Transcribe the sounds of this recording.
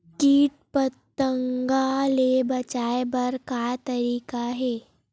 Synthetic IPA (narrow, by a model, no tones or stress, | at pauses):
kiːt̪̚pət̪ːəŋɡalebɐt͡ʃaːebɐɾkaːt̪ɐɾiːkaɦɛː